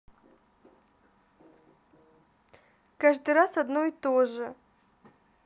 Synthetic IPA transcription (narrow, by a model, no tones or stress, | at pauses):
kaʐd̪ɨɾasɐd̪noit̪oʐɨ